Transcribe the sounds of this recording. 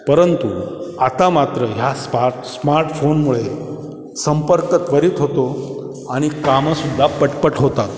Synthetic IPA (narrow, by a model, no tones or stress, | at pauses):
pəɾənt̪uat̪amat̪ɾəɦjaspa | smaɾʈfonmuɭe | səmpəɾkət̪ʋəɾiːt̪ɦot̪o | aɽ̃ikaməsud̪ʱːapəʈpəʈɦot̪at̪